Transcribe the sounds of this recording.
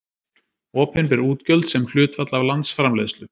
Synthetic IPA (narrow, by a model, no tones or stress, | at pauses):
ɔːpʰɪnpɛɾuːt̪cœlt̪sɛmkl̥ʏːt̪vat̪lavlant̪sfɾamleːðst̪lʏ